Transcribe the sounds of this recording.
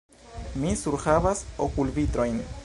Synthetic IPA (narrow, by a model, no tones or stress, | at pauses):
misuɾxaβasokulbit̪ɾojn